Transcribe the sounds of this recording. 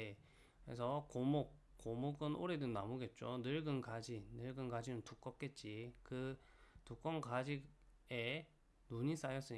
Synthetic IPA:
e | kɯɾḛsʰʌkomok̚ | k͈ːomoɡɯnʔoɾe̞dɯnnamoɡe̞t̚t͡ɕ͈onɯɭɡɯnkad͡ʑinɯɭɡɯnɡad͡ʑinɯntuk͈ʌp̚k͈e̞t̚t͡ɕ͈ikɯ | tuk͈ʌnkad͡ʑiɡ | e̞ | nuɲis͈ajʌs͈ɯɲi

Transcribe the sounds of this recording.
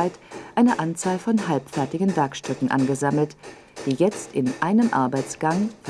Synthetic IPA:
aɪtʔaɪnəʔant͡saːlfɔnɦalpfɛɐtɪɡn̩vɛɐkʃtʏkŋ̩ʔa̰nɡəzaml̩t | d̥iːjɛt͡stɪnʔaɪnəmʔa̰ɐbaɪt͡sɡ̥aŋf

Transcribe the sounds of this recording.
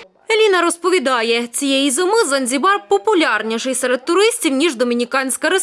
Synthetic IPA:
elʲinɐɾɔspɔʋʲid̪ɑjɛt͡sʲijɛjizomɪzɐnʲzʲibɑrpɔpʊlʲɑrnʲiʃɪjsɛɾɛd̪̚t̪ːʊɾɪsʲtʲiwnʲiʒd̪ɔmʲinʲikɑnʲsʲkɐɾe

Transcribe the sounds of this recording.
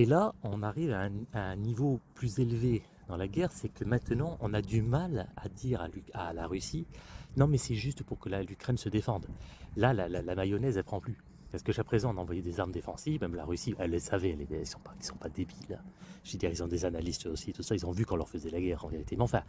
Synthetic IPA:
elaɔ̃naʁivaɛ̃aɛ̃nivoplyzelve | d̪ɑ̃laɡʲɛʁsɛkəmɛ̃t̪nɑ̃ʔɔ̃nad̪ymala̰d̪iʁalyalaʁysinɔ̃mɛsɛʒyst̪puʁkəlalykχɛnsəd̪efɑ̃d̪lalalalamajɔnɛzɛlpʰχɑ̃ply | pasə̥kəʒapχezɑ̃ɔ̃nɑ̃vwajɛd̪ezaʁməd̪efɑ̃sivmɛmla̰ʁysivɛlːəsavɛɛled̪ɛɛlsɔ̃pḁkʲi̥sɔ̃pad̪ebilʒ̥ed̪iʁilsɔ̃d̪ezanalist̪osit̪usailzɔ̃vykɑ̃lœʁfəzɛlaɡɛːʁɑ̃veʁit̪emeɑ̃fɛ̃

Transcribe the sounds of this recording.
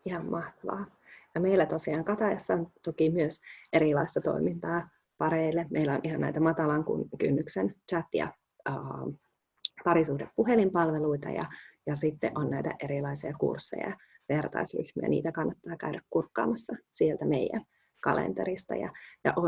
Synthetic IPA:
ihɑmmɑht̪ɑʋɑ̰ː | jɑmeilːæt̪osiɑːŋkɑt̪ɑjɑsːɑont̪okimyøsʔeɾilɑist̪ɑt̪o̞̰imint̪ɑː | pɑɾeilːemeilːæonʔihɑnæ̰it̪æmɑt̪ɑlɑŋkṵnkynːyksent͡ʃæt̪jɑ̰ː | pɑɾisuːdeppuɦelimpɑlʋeluit̪ɑ̰jɑ̰jɑsit̪ːḛʔonnæijt̪æ̰ʔeɾilɑisiɑkṵrsːḛjɑ̰ | ʋert̪ɑ̰isly̰hmy̰æ̰nḭːt̪ækɑnːɑt̪ːɑːkæyɾækkurkːɑ̰ːmɑsːɑsielt̪æmeijæ̰n | kɑlḛnt̪eɾist̪ɑ̰jɑ̰jɑ̰ʔo

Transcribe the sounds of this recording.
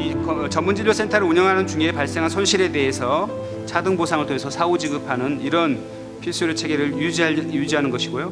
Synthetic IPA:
ikt͡ɕʌmːund͡ʑiʎːosʰentʰaɾɯɭuɲʌŋɦanɯnt͡ɕuŋeːpaɭs͈e̞ŋɦansʰonɕʰiɾe̞de̞ɦesʰʌ | t͡ɕʰadɯŋbosʰaŋɯɭtʰoŋesʰʌsʰaud͡ʑiɡɯpʰanɯniɾʌn | pʰiɭs͈uɾjot͡ɕʰe̞ɡeɾɯɭjud͡ʑiajud͡ʑiɦanɯnɡʌɕʰiɡojo

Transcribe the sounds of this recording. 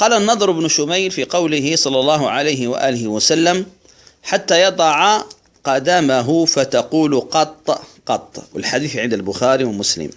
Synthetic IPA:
qɑːlanːɑd̪ˤɾɪbnʊʃʊmajlfiːqɑwlɪɦɪsˤɑlːɑlˤːɑːɦʊʕalajɦɪwa̰ʔaːlɪhɪwasalːam | ħat̪ːajɑd̪ˤɑʕa | qɑd̪aːmaɦʊfat̪ɑquːlqɑt̪ˤːqɑt̪ˤːwɪ̰lħad̪iːθʕɪnd̪albʊxaːɾiwɪmʊslɪ̰m

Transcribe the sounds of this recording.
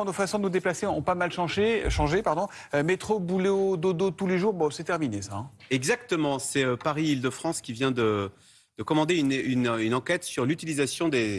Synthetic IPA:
nofasɔ̃d̪ənud̪eplaseɔ̃pamalʃɑ̃ʒeʃɑ̃ʒepaʁd̪ɔ̃ømet̪χobuleod̪od̪ot̪uleʒuːʁbɔ̃sɛt̪ɛʁminesaɛ̃ɛɡzakt̪əmɑ̃sɛøpaʁiild̪əfχɑ̃skʲivjɛ̃d̪ə | d̪̥əkɔmɑ̃d̪eynynynɑ̃kʲɛt̪syʁlyt̪ilizasjɔ̃d̪e

